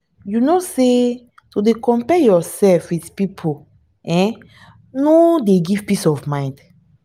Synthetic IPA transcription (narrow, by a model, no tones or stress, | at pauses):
junose | tudekɔ̃mpɛjɔsɛlfwiθpipʰo | ʔɛ̃ | nodeɡiv̥pisɔvmãj̃nd